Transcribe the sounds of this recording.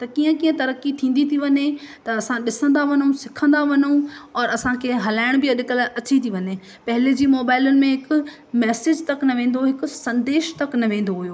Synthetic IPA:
t̪ɐkiːə̃kiːə̃t̪ɐɾəkːit̪ʰĩːn̆d̪it̪ʰiʋɐɲet̪ɐɐsãɗɪsə̃nd̪aʋɐɲũsɪkʰə̃nd̪aʋɐɲũɔːɾɐsãkʰeːɦɐlaːɪɽ̃bɪɐɗɪkəlʔɐt͡ɕit̪ʰiʋɐɲe | pɐɦɪled͡ʑiːmoːbaːɪlənɪ̆mẽɦɪkʊ̆ | mɛːsɪd͡ʑt̪ɐknɐʋẽːnd̪oɦɪkʊsɐ̃nd̪eːʃt̪ɐknɐʋẽːn̆d̪oɦujoː

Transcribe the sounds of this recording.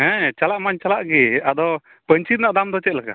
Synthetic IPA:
ɦɛ̃t͡ʃalaʔmaɲt͡ʃalaʔɡɛad̪ɔ | pəɲt͡ʃit̪̚naʔd̪amd̪ɔt͡ʃɛt̪̚laka̰

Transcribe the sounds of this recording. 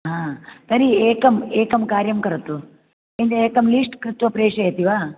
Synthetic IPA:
ɦãːt̪ɐɾieːkɐmeːkɐmkaːɾjɐmkɐɾɐt̪ːu | end̪ɐeːkɐmliːʂʈkɾit̪ʋɐpɾeːʂɐjɐt̪iʋaː

